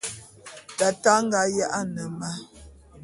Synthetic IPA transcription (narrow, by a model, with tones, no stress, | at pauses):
ta˨ta˦ŋ̩˦ɡa˨˦ja˦ʔa˦nə˨ma˦